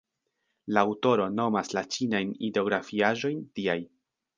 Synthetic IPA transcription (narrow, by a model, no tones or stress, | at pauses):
laːwto̞ɾo̞no̞maslat͡ʃinajnideo̞ɡɾafiaʒo̞jntiaj